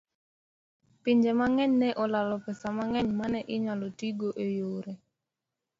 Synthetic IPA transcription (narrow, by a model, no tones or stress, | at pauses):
piɲd͡ʒemaŋɛɲnɛʔɔlalɔpɛsamaŋɛɲmanɛʔɪɲalɔtiɡoʔejoɾe